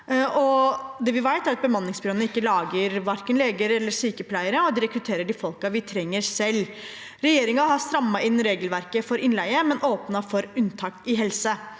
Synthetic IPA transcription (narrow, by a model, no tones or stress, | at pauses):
ʔɔd̪ɛʋɪʋæɪt̪æɾɑt̪̚bəmɑnɪŋsbɾʉnəɪkːəlɑːɡəɾʋɑɾkənleːɡəɾɛlːəsyːkəpʰlæɪəɾəɔd̪ɪɾɛkɾʉt̪ʰeːɾəɖɪfɔlˠkɑʋɪt̪ʰɾɛŋːəɾsɛlː | ɾɛjeːɾɪŋɑɦɑst̪ɾɑmːɑɪnːɾeːɡəlʋæɾkəfɔɾɪnlæɪəmɛnʔoːpnɑfɔɾʉnt̪ʰɑːk̚t̪ɪɦɛlsə